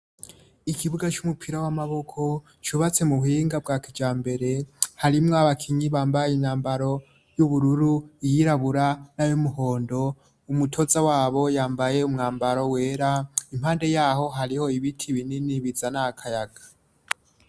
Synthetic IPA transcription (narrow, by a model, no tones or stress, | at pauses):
ikʰiβuɡat͡ʃumupʰiɾawamaβo̞kʰo̞ | t͡ʃuβat͡se̞muhuhiːŋɡabɡaːkid͡ʒaːmbe̞ɾe̞haɾimŋaβakʰiɲiβaːmbajinaːmbaɾo̞ | juβuɾuɾuijiɾaβuɾanajomuho̞ːndo̞ | umutʰo̞zawaːβo̞jaːmbaje̞umŋaːmbaɾo̞we̞ːɾaim̥haːnde̞jaːho̞ɦaɾiho̞iβitʰiβininiβizanakʰajaɡ̥ḁ